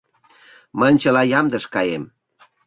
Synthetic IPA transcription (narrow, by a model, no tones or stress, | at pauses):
mənʲt͡ɕəlɑjɑmd̪əʃkɑjem